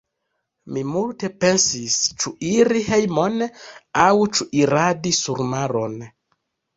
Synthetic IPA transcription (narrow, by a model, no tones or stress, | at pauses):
mimulte̞pe̞nsist͡ʃuiɾihe̞jmonawt͡ʃuʔiɾadisuɾmaɾo̞n